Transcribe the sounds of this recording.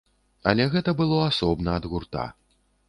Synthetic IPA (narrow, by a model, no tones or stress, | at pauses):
ɐlʲɛɣɛt̪ɐbɨlˠɔasɔbnɐːd̪ɣurt̪a̰